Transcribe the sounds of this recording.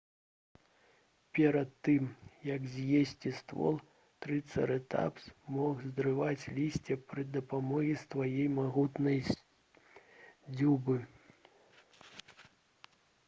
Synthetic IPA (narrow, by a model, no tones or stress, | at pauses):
pʲɛɾɐt̪ːɨmjɐkzʲjesʲt͡sʲist̪vɔ̰lˠ | t̪ɾɨt̪sɐ̰ɾɛt̪a̰psmɔɣzd̪ɾɨvat͡sʲlʲisʲt͡sʲɛpɾɨd̪ɐpamɔɣʲist̪vajejmaɣut̪nɐj | d͡zʲubɨ